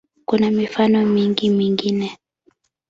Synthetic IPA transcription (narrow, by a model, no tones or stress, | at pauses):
kunamifanɔmiŋɡimiŋɡinɛ